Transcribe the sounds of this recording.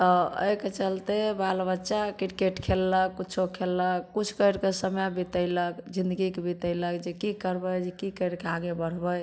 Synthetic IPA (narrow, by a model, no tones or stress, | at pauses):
t̪ɔə̰jket͡ʃəlt̪ebalbətːʃakiɾkeʈkʰelːəkkut͡ʃʰokʰelːəkːut͡ʃʰkəjɾkesəmjabit̪əɪləkd͡ʒind̪əɡikebit̪əɪləkd͡ʒekikəɾbəjd͡ʒekikəjɾkeaɡebəɽ̤bəj